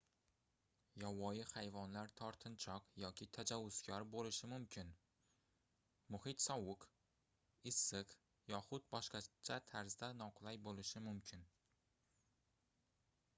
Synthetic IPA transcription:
jɒwɒjɪhajvɒnlaɾt̪ʰɒɾt̪ʰɪnt͡ʃʰɒqjɒkʲʰɪt̪ʰad͡ʒawːʊz̥kʲʰɒɾbolɪʃɪmʊmkʲʰɪn | mʊhɪt̪sɒwʊq | ɪsːɪq | jɒχʊt̪̚bɒʃqɑt͡ʃʰat̪ʰaɾzd̪anɒqʰlˠajbolɪʃɪmʊmkʲʰɪn

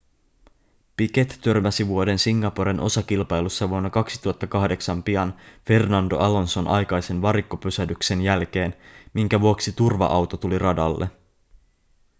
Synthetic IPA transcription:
pike̞t̪ːørmæsiʋuo̞de̞nsiŋːɑpoɾinʔo̞̰sɑkilpɑjlusːɑʋuonːɑkɑksi̥t̪uɦɑt̪ːɑkɑhde̞ksɑmpiɑnfe̞rnɑndo̞̰ʔɑlo̞nso̞nʔɑ̰jkɑjse̞nʋɑɾikːopysædykse̞njælk̟e̞ːnmiŋkæʋuoksit̪urʋɑ̰ʔɑwt̪o̞t̪ulirɑdɑ̰lːḛ

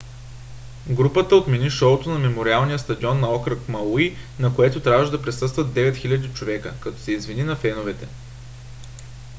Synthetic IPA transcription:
ɡɾupət̪əot̪mɛniʃɔʊt̪onɐmɛmoɾialˠnijəst̪ɐd̪iɔnːɐɔkɾəkmɐlinɐkoɛt̪ʊt̪ɾʲavəʃd̪ɐpɾɛsɤst̪vət̪ːɛvɛt̪xilʲɐd̪it͡ʃovɛkəkɐt̪ɔ̥sɛizvininɐfɛnovɛt̪ɛ

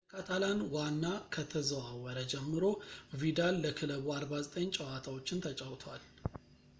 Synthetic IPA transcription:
kʰat̪ʰalanwanːakʰət̪ʰəzəwawəɾəd͡ʒɛmːɨɾovid̪alːəkʰɨləβuaɾbazət̪ʼəɲːt͡ʃʼəwat̪ʰawo̞t͡ʃːɪnt̪ʰət͡ʃʼəwt̪ʰwal

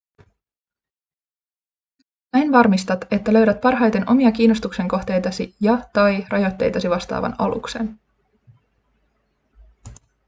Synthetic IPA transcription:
næjnʋɑrmist̪ɑt̪e̞t̪ːælø̞ɥɾæt̪̚pɑrɦɑjt̪e̞nʔo̞miɑk̟iːno̞st̪ukse̞ŋko̞xt̪e̞jt̪ɑsijɑt̪ɑjrʔɑjo̞t̪ʲːe̞̰jt̪ɑsiʋɑst̪ɑ̰ːʋɑ̰nɑ̰lṵkse̞̰n

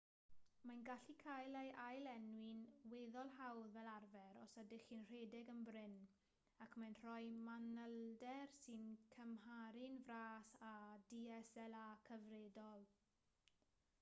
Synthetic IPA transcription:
manɡaɬikʰajlejʔajlɛnwɪnweːðɔlˠɦawðvɛlˠarvɛɾɔsədɪχinr̥edɪɡənbrɪn | akʰmanr̥ɔɨmanəlˠdɛrsɨnkʰəmɦaɾɪnvraːsadiɛsɛlˠakʰəvredɔlˠ

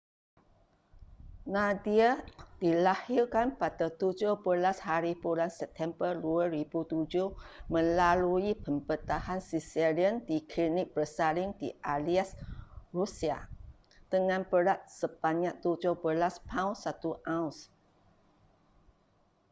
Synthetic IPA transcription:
nãdiad̥ilahirkanpatət̪ud͡ʒʊhbəlashaɾibulansɛp̚t̪ʰɛmbərduəɾibut̪ud͡ʒʊhmə̃laluipəmbət̪ahansisɛliəndikʰlinɪk̚bəsalɪŋdiʔaliasrusia̰ | t̪əŋãnpəɾat̪̚səbaɲaʔ̚t̪ud͡ʒʊhbəlaspʰãwnsat̪uʔauns

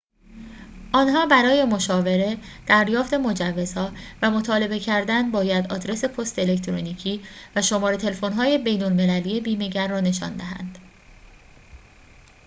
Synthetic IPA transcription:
ʔɒːnɦɒːbæɾɒːje̞mo̞ʃɒːve̞ɾe̞ | d̪̥æɾjɒːft̪e̞mo̞d͡ʒævːe̞z̥hɒːvæmo̞t̪ʰɒːle̞be̞cʰæɾd̪ænbɒːjæd̪ɒ̰ːd̪ɾe̞se̞pʰost̪ele̞kt̪ʰɾoniːcʰiːvæʃo̞mɒːɾe̞t̪ʰe̞lefo̞nɦɒːje̞be̞jnolme̞læliːebiːme̞ɟæɾːɒːne̞ʃɒ̰nd̪æɦæ̰nd̪̥

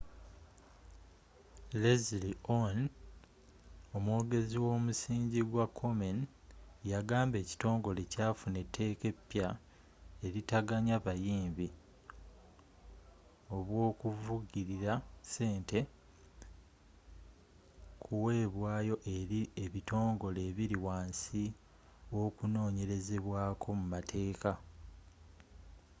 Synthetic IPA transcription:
lezlion | o̞mwoːɡe̞ziwo̞ːmusiːɲɟiɡwakʰːo̞men | jaɡaːmbe̞ːci̥to̞ːŋɡo̞lecaːfune̞tʰːe̞ːke̞pːja | e̞ɾitaɡaɲaβajiːmbi | o̞βwo̞ːkuvuɟiɾiɾase̞ːnte̞ | kʰuwe̞ːβwaːjo̞ʔeɾieβito̞ːŋɡo̞le̞ːβiɾiwaːnsi | wo̞kuno̞ːɲe̞ɾe̞ze̞βwaːkʰo̞mumatʰe̞ːka

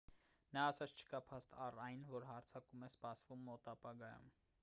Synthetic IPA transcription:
nɑːsɑt͡sʰt͡ʃʰə̥kɑpʰɑst̪ʰɑrɑjnvɔɾɦɑɾt͡sʰɑkumɛspɑsvumːɔt̪ɑpɑɡɑjṵm

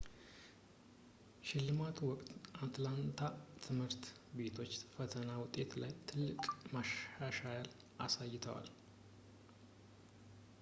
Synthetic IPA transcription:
ʃɪlːɨmat̪ʰwɔkʼt̪ʔat̪lant̪ʰat̪ʰɨmhɨɾt̪ | be̞t̪ʰo̞t͡ʃːfət̪ʰənawʊt̪ʼːe̞t̪lajt̪ʰɨlːɨkʼmaʃaʃajal | ʔa̰sajːɪt̪ʰəwa̰l

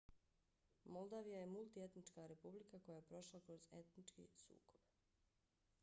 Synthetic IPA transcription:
molˠd̪aʋijajemulˠt̪ie̞t̪nit͡ʃkaɾe̞publikako̞jajepɾo̞ʃlˠakɾo̞ze̞t̪nit͡ʃkḭsṵːkob̥

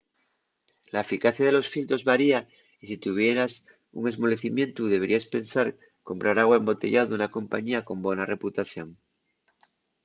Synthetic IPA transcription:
laefikaθjaðe̞lo̞sfilt̪ɾo̞zβaɾia | isit̪uβ̞je̞ɾas | ṵŋe̞zmo̞le̞θimje̞nt̪uðe̞β̞e̞ɾʔiaspe̞nsaɾ | ko̞mpɾaɾaɣwaembo̞t̪e̞̰ʎaðounako̞mpa̰ɲiako̞mbo̞nare̞put̪aθjo̞ŋ

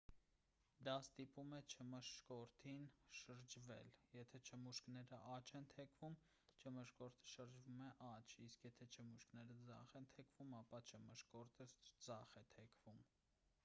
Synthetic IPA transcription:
d̪ɑst̪ipumɛt͡ʃʰəməʃkɔɾt̪ʰinʃəɾd͡ʒvɛ̰ljɛt̪ʰɛt͡ʃʰəmuʃknɛɾəʔɑt͡ʃʰɛnt̪ʰɛkʰvum | t͡ʃʰəməʃkɔɾt̪ʰə̥ʃəɾd͡ʒvumɛʔɑt͡ʃʰiskjɛt̪ʰɛt͡ʃʰəmuʃknɛɾəd͡zɑχɛnt̪ʰɛkʰvumɑpɑt͡ʃʰəməʃkɔɾt̪ʰəd͡zɑχɛt̪ʰɛkʰvum

